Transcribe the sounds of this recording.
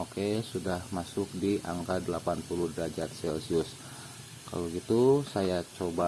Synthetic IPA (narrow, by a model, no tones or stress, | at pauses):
okesudahmasʊk̚diʔa̰ŋkadəlapanpuluhdɾad͡ʒat̪̚sɛlsiʊs | ka̰loɡit̪usajat͡ʃoba